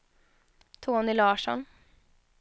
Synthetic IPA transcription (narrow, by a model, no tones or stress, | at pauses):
t̪ʰoːnɪlɑːʂɔ̰n